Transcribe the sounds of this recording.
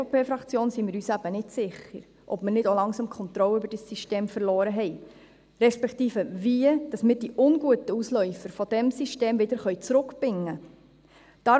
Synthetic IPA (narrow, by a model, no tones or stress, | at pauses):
opʰeːfɾɑkt͡sjoːnsimɪɾyːsæb̥ənɪtsɪχəɾ | ʔɔb̥mɪnɪdolɑŋsɑmkʰɔnt̪ɾɔləøbəɾd̥əsːiʃteːmfəɾlɔːɾəɦɛj | ɾɛʃpɛktiːfəviəd̥ɑsmɪd̥iʔʊnɡuətəuslœʏfəɾfɔd̥ɛmsiʃteːmvɪd̪əɾχœɥt͡sɾʊkbɪŋːə | d̪̥ɑ